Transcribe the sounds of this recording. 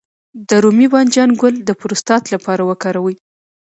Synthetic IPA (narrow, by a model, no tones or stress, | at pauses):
d̪əɾumibɑnd͡ʒɑnɡʊld̪əpʊɾʊst̪ɑt̪lapɑɾawəkɑɾawəj